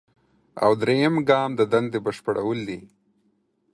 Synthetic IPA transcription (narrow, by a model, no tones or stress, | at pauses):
a̰wd̪ɾejəmɡɑːmd̪əd̪and̪ebəʃpəɽʔa̰wəld̪i